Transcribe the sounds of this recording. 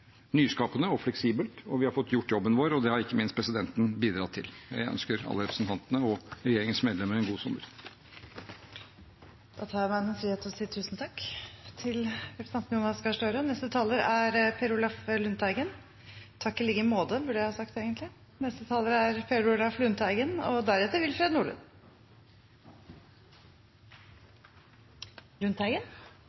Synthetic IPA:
nyːskɑːpənəɔflɛksiːbəlt̪ɔʋɪhɑɾfɔt̪ːjʊʈːjɔbːənʋoːɾɔd̪ɛhɑɾɪkːəmɪnst̪pʰɾɛsɪd̪ɛnt̪n̩biːd̪ɾɑt̪ʰːɪ̰ljæ̰ɪʔœ̰nskəɾɑ̰lːəɾɛpɾsn̩t̪ʰɑnt̪ənəɔɾɛjeːɾɪŋənsmeːd̪lɛməɾɛnɡuːsʊmːəɾ | d̪̥ɑːt̪ʰɑːɾjæmæɪnɛnfɾiːheːt̪ʰɔsiːt̪ʰʉːsn̩t̪ʰɑkːt̪ʰɪlfɛʈsɑnsnjuːnɑskɑʂʈøːɾənɛst̪ət̪ʰɑːləɾæɾpʰɛɾʊlɑflʉnt̪æɪɡən | t̪ʰɑkːəlɪɡəmoːd̪əbʉɖəjæhɑːsɑkt̪eːɡənt̪lɪ | nɛst̪ət̪ʰɑːləɾəæɾpʰɛɾʊlɑflʉnt̪æɪɡənɔ̰d̪æɾɛt̪ːəɾʋɪlfɾeːd̪nuːɭə̰n | lʉnt̪ʰæɡən

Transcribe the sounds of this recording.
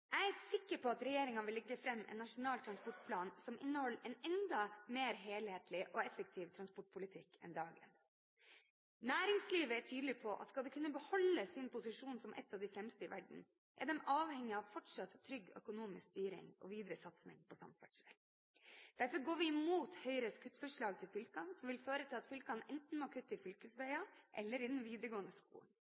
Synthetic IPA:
æɪæsɪkːəɾpʰɔɑt̪ɾɛjeːɾɪŋɑnʋɪlːɛɡːəfɾɛmːʔɛ̰nːɑʂʊnɑːlt̪ʰɾɑnspɔʈ̚pʰlɑːnsɔmʔɪ̰nːəhɔlːɛnɛnd̪ɑmeːɾɦeːlheːt̪ʰlɪʔɔɛfək̚t̪ʰiːʋt̪ʰɾɑnspɔʈ̚pʰʊlɪt̪ʰɪkːʰɛ̰nd̪ɑːɡə̰n | næːɾɪŋsliːʋəæʈʰyːd̪lɪpʰɔʔɑ̰t̪skɑld̪ɛkʰʉnːəbəhɔlːəsɪnpʊsɪʂuːnsɔmʔɛ̰t̪ːɑʋd̪ɪfɾɛmst̪əɪʋæɖɳ̩ | ʔɛ̰ɖɛmɑːʋhɛŋːɪɑʋfɔʈʂɑt̪ʰːɾʏɡːœ̰kʊnuːmɪskst̪yːɾɪ̰ŋɔ̰ʋiːd̪ɾəsɑt̪snɪ̰ŋpʰɔsɑ̰mfæʈʂɛl | d̪̥æɾfɔɾɡoːʋɪɪmuːt̪hœʏɾəskʰʉt̪ːfœʂɭɑːɡ̚t̪ʰɪlfʏlkɑnsɔmʋɪlføːɾət̪ʰɪlɑt̪fʏlkɑnɛnt̪n̩mɔkʰʉt̪ːəɪfʏlkəsʋœɪɑʔɛlːəɾɪd̪ɛnʋiːd̪ɾəɡoːənəskṵːn

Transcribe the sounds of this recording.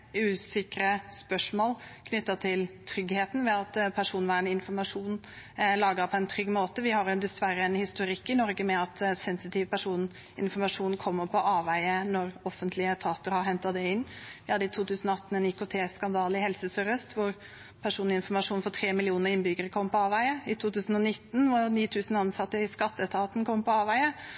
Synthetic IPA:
ʉːsɪkɾəspœʂmoːlkʰnʏt̪ːɑt̪ʰɪlt̪ʰɾʏɡheːt̪n̩ʋɛɑt̪pʰæʂuːnʋæːɳəɪnfɔɾmɑʂuːn | lɑːɡəpʰɔɛnt̪ʰɾʏɡːmoːt̪əʋɪhɑɾjd̪ɛsʋæɾəɛnhɪst̪ʊɾɪkːɪnɔɾɡəmɛɑt̪sɛnsɪt̪iːʋəpʰæʂuːn | ɪnfɔɾmɑʂuːnkʰɔmːəɾpʰɔʔɑːʋæɪənɔɾɔfːənt̪ʰlɪət̪ʰɑːt̪əɾhɑɾɦɛnt̪ɑd̪ɛɪnːʋɪhɑd̪ːəɪt̪ʰuːt̪ʰʉːsənɔɑt̪ːn̩ɛnɪkʊt̪ʰeːskɑnd̪ɑːlɪhɛlsəsœɾəst̪ʋʊɾ | pʰæʂuːnɪnfɔɾmɑʂuːnfɔt̪ʰɾeːmɪlɪuːnəɾɪnbʏɡəɾəkʰɔmːpɔɑːʋæɪəɪt̪ʰuːt̪ʉːsn̩ɔnɪt̪ːn̩ʋʊniːt̪ʰʉːsən̩ɑnsɑt̪ːəɪskɑt̪ːət̪ʰɑːt̪n̩kʰɔmːpɔɑːʋæɪə

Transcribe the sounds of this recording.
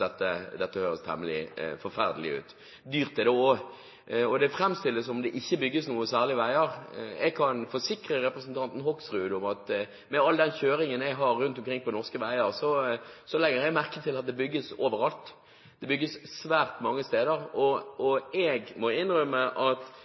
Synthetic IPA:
ɛt̪ːəd̪ɛt̪ːəhøːɾəst̪ʰɛ̰mːəlɪ̰fɔɾfæʁd̪əlɪ̰ʉ̰ːt̪ | d̪yːʁt̪ɛd̪ɛo | ɔd̪ɛfɾɛmst̪ɪlːəsɔmd̪ɛʔɪçːəbʏɡːəsnuːəsæːʁlɪəʋæɪəɾɛɡ̚kʰɑnfɔsɪkɾəɾɛpɾəsnt̪ʰɑnt̪n̩hɔksʁʉːd̪ʊmɑt̪ | mɛɑlːəd̪ɛnçøːɾɪŋənɛɡɦɑɾːʉnt̪ɔmkʰɾɪŋpʰɔnɔʁskəʋæɪəʁsɔsɔlɛɡːəɾɛɡmæʁkət̪ʰɪlɑt̪̚d̪ɛbʏɡːəsoːʋəɾɑlt̪ | d̪ɛbʏɡːəssʋæːʁt̪mɑŋːəst̪eːd̪əʁɔɔɛɡmɔɪnɾœməʔɑt̪

